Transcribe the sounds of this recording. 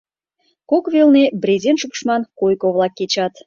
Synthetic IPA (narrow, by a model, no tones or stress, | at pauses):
kokvelˠnebrʲezʲenʃukʃmɑnkojkoβlˠɑkːet͡ɕɑt̪